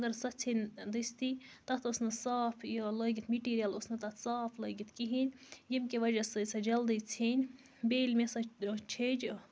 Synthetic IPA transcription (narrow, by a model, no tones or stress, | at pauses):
ɡ̪ɐɾsɐt͡sʰinʲd̪ɨst̪ʰit̪ɐt̪ʰosnɨsaːfjoləjɡit̪miʈiːɾijɐlosnɐt̪ɐt̪ʰsaːfləɡit̪ʰkiɦinʲjimkeʋɐd͡ʒɐsɨsɐd͡ʒɐld̪ɨt͡sʰinʲ | beːlʲmesɐt͡ʃʰed͡ʒ